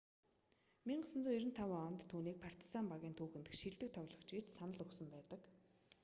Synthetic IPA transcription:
miɴɢə̆sə̆nt͡suːiɾɘ̆nt̪ʰawaɔnʲt̪ʰːuːniːk̚pʰar̥t̪ʰi̥sampaɣʲiːnt̪ʰuːxɘ̆nt̪ɘ̆xʃiɮt̪ɘ̆k̚t̪ʰɔɣɮɞ̆kt͡ɕɡet͡ɕsanə̆ɮɵksə̆mpæːt̪ə̆k

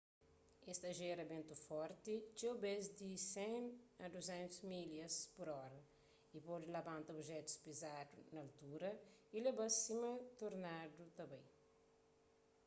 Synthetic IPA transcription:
ɛst̪ɐʒeɾɐbẽnt̪ufɔɾt̪it͡ʃewbezd̪isɛ̃nɐd̪uzɛ̃nt̪usmiljɐspuɾɔɾɐ | ipɔdilɐbãnt̪ɐobʒɛt̪u̥spizadunɐɐlt̪uɾɐilebɐsimɐt̪oɾnadut̪ɐbaj

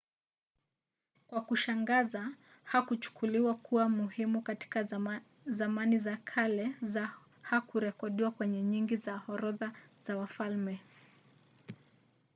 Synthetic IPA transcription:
kwakuʃaŋɡaza | hakut͡ʃu̥kʰuliwakʰuwamuhimukati̥ka | zamanizakʰalɛza | hakuɾɛkɔɗiwakwɛɲɛɲiŋɡizahɔɾɔðaz̥awafalmɛ

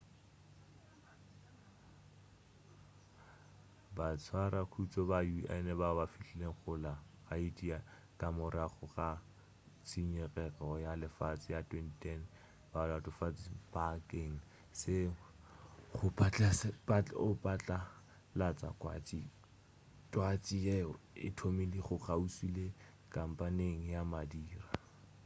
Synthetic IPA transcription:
bat͡sʰwaɾakʰut͡sʼɔbajuʔa̰nɛbabafiɬɛleŋ̩χʊlaχaitʼia | kʼamʊraχʊχa | t͡sʰʼiɲɛrɛrɔjalɪfat͡sʼɪjatʰwɛnitʰɛn | balatʊfat͡sʼibakeŋ̩ | sɪ | χʊpʼat͡ɬʼaspat͡ɬʊpʼat͡ɬʼa | lat͡sʼa̰kʼwa̰t͡sʼi | tʼwat͡sʼieɔɪ̰tʰomiliχʊχausile | kʼam̩pʼaneŋ̩jamadiːra

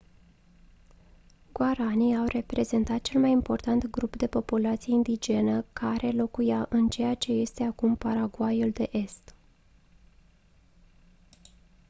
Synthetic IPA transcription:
ɡ̥waɾaniawre̞pɾe̞ze̞nt̪at̪̚t͡ʃe̞lmajimpo̞rt̪ant̪ɡɾupd̪e̞po̞pulat̪sije̞ind̪id͡ʒe̞nəkʰaɾʔe̞lo̞kujaʔɨnt͡ʃe̞jat͡ʃe̞je̞st̪e̞akumpaɾaɡuajuld̪e̞ʔe̞st̪

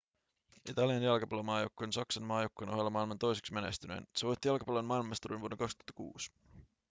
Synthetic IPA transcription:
it̪ɑliɑnjɑlkɑpɑlomɑːjokːoonsɑksɑnmɑːjokːonoɦelːɑmɑilmɑnt̪o̞js̬e̞ksmenest̪ynḛnseʋojt̪ːijɑlko̥pɑlonmɑilmɑst̪uɾinʋuodeŋkɑkst̪u̥hɑt̪ːɑkṵːs

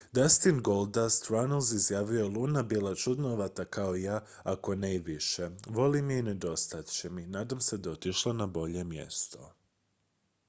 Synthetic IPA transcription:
d̪ast̪inɡo̞lˠd̪ast̪ɾanlˠzizjaːʋio̞lˠuːnabiːlˠat͡ʃud̪noʋat̪akaoijaː | ako̞neiʋiʃeʋo̞limiined̪o̞st̪at̪t͡ɕeminaːd̪amse̞d̪aot̪iʃlˠonabo̞ʎe̞mje̞̰st̪o̞̰

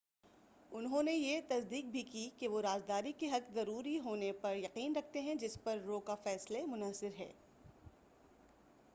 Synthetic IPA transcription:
ʊnɦõnejet̪ɐsd̪iːq̚bʱikikeʋoɾaːzd̪aːɾikeɦɐkzɐɾuːɾiɦoːnepɐɾjɐqiːnɾɐk̚ʰt̪eɦɛ̃d͡ʒɪspɐɾːoːkafɛːslemʊnəsɪɾɦɛ̰ː

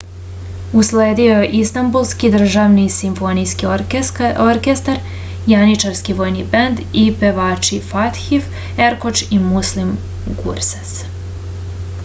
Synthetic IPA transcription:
usleːd̪iojeʔist̪ambulˠskid̪r̩ʒaʋnisimfo̞nijski | oɾkest̪aɾ | janit͡ʃaɾskiʋoːjnibend̪ipeʋaːt͡ʃifat̪xif | eɾkot͡ʃimuslim | ɡṵɾsḁs

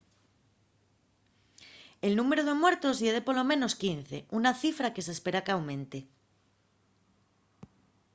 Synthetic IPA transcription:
e̞lnume̞ɾoð̞emwe̞ɾt̪ozʝeðepo̞lo̞mẽ̞no̞skin̟θe̞̰ʔunaθifɾake̞s̬espe̞ɾakawmẽ̞nt̪e

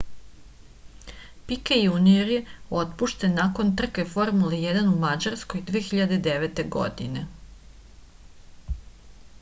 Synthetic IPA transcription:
pikejunieɾjeo̞t̪puʃt̪enːako̞nt̪r̩kefo̞ɾmulijed̪anumad͡ʑaɾskojd̪ʋeːxiʎad̪e̞d̪eʋet̪e̞ɡo̰d̪ine̞

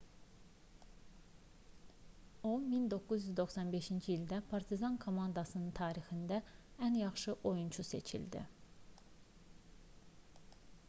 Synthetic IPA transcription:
omind̪o̞kːuzjyzd̪o̞xsɑnbe̞ʃind͡ʒiild̪æpʰɑɾt̪ʰizɑnkʰo̞mɑnd̪ɑsɯnɯnt̪ʰɑːɾixind̪æænjɑχʃɯʔo̞junt͡ʃʰusḛt͡ʃʰḭld̪ḭ

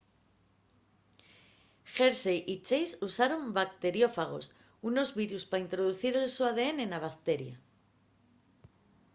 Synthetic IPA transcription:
xeɾsejʔit͡ʃejsusaɾo̞mbak̚t̪e̞ɾjo̞faɣ̞o̞̰s | uno̞zβiɾuspaint̪ɾoð̞uθiɾe̞lsoaðe̞ene̞naβ̞akt̪e̞ɾja̰

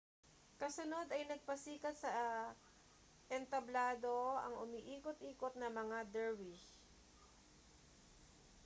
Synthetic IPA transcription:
kɐsʊno̞d̪ɐjnɐɡ̚pɐsiːkɐt̪̚sɐ | ʔɛnt̪ɐblaːd̪o̞ʔɐ̰ŋʊmiʔiːkot̪̚ʔiːkot̪̚nɐmɐŋad̪ɛɹbi

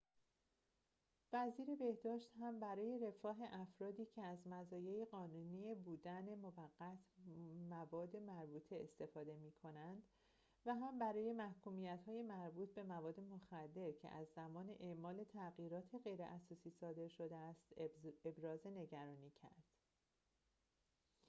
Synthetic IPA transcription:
væziːɾe̞be̞hd̪ɒːʃt̪hæmbæɾɒːje̞ɾe̞fɒːɦe̞ʔæfɾɒːd̪iːcʰe̞æzmæzɒːjeiɣɒːnuniːebuːd̪æne̞movæɢːæt̪ʰmævɒːd̪ːe̞mæɾbuːt̪ʰe̞est̪e̞fɒːd̪e̞miːkʰo̞nænd̪̥ | væɦæmbæɾɒːje̞mæhkuːmijæt̪hɒːje̞mæɾbuːt̪̚ʰbe̞mævɒːd̪ːe̞moxæd̪ːe̞ɾcʰe̞̰ʔæzːæmɒːne̞ʔeʔmɒːle̞t̪ʰæɣiːɾɒːt̪ʰe̞ɣe̞jɾḛʔæsɒːsiːsɒːd̪e̞ɾʃo̞d̪eæst̪e̞bɾɒːze̞ne̞ɟæɾɒːniːcʰæ̰ɾd̪̥

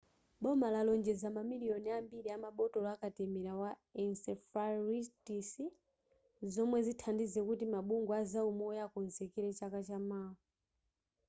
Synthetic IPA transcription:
ɓɔmalalɔnd͡ʒɛzamamiliɔniambiɾiamaɓɔtɔlakatɛmɛɾawa | ɛnsɛfaɾitisi | zɔmwɛzitʰandizɛkutimaɓuŋɡɔazaumɔjakɔnzɛkɛɾɛt͡ʃakat͡ʃamaːɔ

